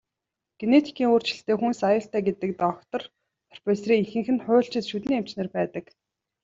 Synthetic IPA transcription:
ɡ̥enet̪ʰi̥kʰiːŋoːr̥t͡ɕɪ̆ɬt̪eːxunsajʊːɬt̪æːɡet̪ə̆k̚t̪ɔkt̪ɞ̆r | pʰɔ̥r̥peːsriːŋiŋxɘ̆ŋxɘ̆nχʊːɬt͡ɕɪ̆t̪ʃut̪niːem̥t͡ɕneːrpæːt̪ə̆k

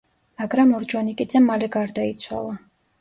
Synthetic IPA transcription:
maɡɾamɔɾd͡ʒwanikʼid̪zɛmalɛɡaɾd̪ait̪sʰwa̰lˠa

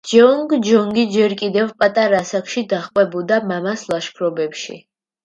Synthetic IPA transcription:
d͡ʒɔŋɡd͡ʒɔŋɡid͡ʒɛɾkʼid̪ɛvpʼat̪ʼaɾasakʰʃid̪aχqʼwɛbud̪amamaslˠaʃkʰɾɔbɛpʃḭ

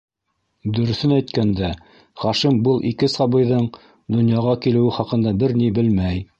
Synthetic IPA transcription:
d̪ɵ̆ɾɵ̆θɘnæjt̪kænd̪æ | χɑʃimbɤlˠʔḭkɘsɑbɤ̆jðɤɴ | d̪ŏnjɑʁɑkilɘ̆wɘχɑqɤ̆nd̪ɑbɘɾnibɘlmæj

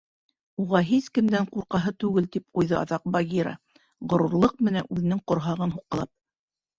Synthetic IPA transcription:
uʁɑɦiskɘ̆md̪æɴquɾqɑɦɤt̪ʉɡɘlt̪ip̚qujðɤʔɑ̰ðɑq̚bɑɡʲiɾɑ̰ | ʁŏɾuɾlˠɤq̚mɘ̆nænʉðɘ̆nɘŋqŏɾɦɑʁɤnɦuqːɤ̆lˠɑp̚

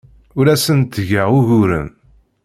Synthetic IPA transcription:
ʊɾæsənt̪ʝəʁuʝʊɾə̰n

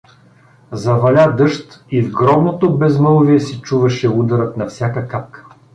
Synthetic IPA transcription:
zɐvɐlʲad̪ɤʃt̪ivɡɾɔb̪not̪obɛzməlˠviɛsit͡ʃuvɐʃɛud̪ɐɾət̪nɐfsʲjakəkap̚kə̥

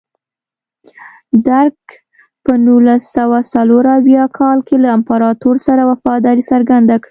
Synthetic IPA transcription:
d̪aɾɡ | pənulasawasaloɾawjɑkʰɑlkelaampaɾɑt̪oɾsaɾawafɑd̪ɑɾisəɾɡand̪akɽi

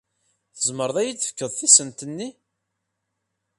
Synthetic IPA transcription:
θəzməɾðˤæjit͡sːə̥fə̥kːəðˤθisənt̪ənːi

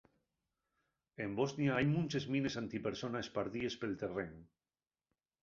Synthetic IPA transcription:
emboznjaajmũnʲt͡ʃezminesant̪ipeɾsonaespaɾðiespelt̪ereŋ

